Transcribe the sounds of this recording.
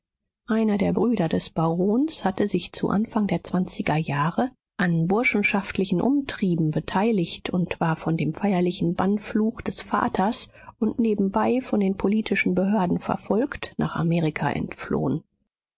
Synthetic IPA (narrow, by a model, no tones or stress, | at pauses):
ʔaɪnɐdeːɐbʁyːdɐdɛsb̥aʁoːnshatəzɪçt͡sṵʔa̰nfaŋdeːɐt͡sv̥ant͡sɪɡɐjaːʁə | ʔanbʊɐʃn̩ʃaftʰlɪçn̩ʔʊmtʁ̥iːbm̩bətʰaɪlɪçtʰʊntv̥aːɐfɔndeːmfaɪɐlɪçn̩banfluːxd̥ɛsfa̰ːtʰɐs | ʊntneːbm̩baɪfɔndeːnpʰoliːtʰɪʃn̩bəɦøːɐdn̩fɛ̰ɐfɔlktnʔa̰ːχa̰meːʁɪkʰa̰ʔɛ̰ntflo̰ːən